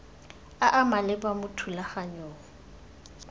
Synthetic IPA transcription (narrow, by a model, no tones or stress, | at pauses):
aʔamalɪbamʊtʰulaχaɲoːɔ